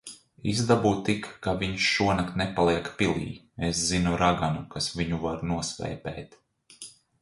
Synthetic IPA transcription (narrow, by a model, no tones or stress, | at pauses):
izd̪abuːt̪ikːaviɲʃʃuɔnakt̪nɛpalˠiɛkpilˠḭː | eszinuɾaɡanukasviɲuvaɾnuɔsʋɛ̰ːpɛːt̪